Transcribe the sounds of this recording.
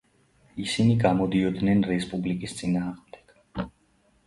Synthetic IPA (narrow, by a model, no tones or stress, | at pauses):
isiniɡamɔd̪iɔd̪nɛnɾɛspʼublikʼist̪sʼinaːʁmd̪ɛɡ̥